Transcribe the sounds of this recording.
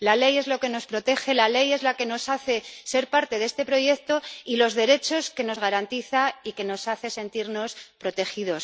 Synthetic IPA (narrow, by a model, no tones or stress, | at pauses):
lale̞je̞zlo̞ke̞no̞spɾo̞t̪e̞xe̞lale̞je̞zlake̞no̞saθe̞se̞ɾpaɾt̪e̞ðe̞st̪e̞pɾo̞ʝe̞k̚t̪o̞ilo̞zðe̞ɾe̞t͡ʃo̞ske̞no̞zɣaɾant̪iθaike̞no̞saθe̞se̞nt̪iɾno̞spɾo̞t̪e̞xiðo̞s